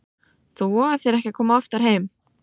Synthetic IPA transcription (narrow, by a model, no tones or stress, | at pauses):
θuɔaθjɛɾɛhcɛkʰɔːmaaft̪aɾ̥heːjm